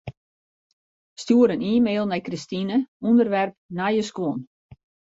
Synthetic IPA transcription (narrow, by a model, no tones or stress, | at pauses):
stjuəɾəniːmeːlˠnɛjkristinəundərʋɛrp̚najəskwon